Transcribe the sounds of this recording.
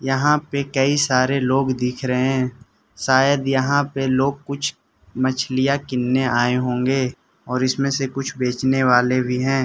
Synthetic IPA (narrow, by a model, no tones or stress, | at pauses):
jɐɦãpekəisaːɾeloːɡd̪ɪkʰɾəɦeɛ̃ː | ʃaːjəd̪jɐɦãpeloːɡ̚kʊt͡ʃʰ | mət͡ʃʰlɪjakɪnːeaːeɦõːŋɡeː | ɔːɾɪsmẽsekʊt͡ʃʰbeːt͡ʃneʋaːlebʱiɦɛ̃ː